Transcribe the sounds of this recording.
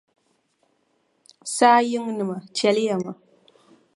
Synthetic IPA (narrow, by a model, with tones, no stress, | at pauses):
saː˦jɪ˦ŋnɨ˨ma˨t͡ʃɛ˦lɪ˦ja˨ma˨